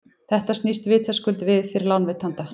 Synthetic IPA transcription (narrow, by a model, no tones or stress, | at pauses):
θɛht̪ast̪nist̪vɪːt̪θɛskʏlt̪vɪðfɪɾɪɾlawnvɪt̪hant̪a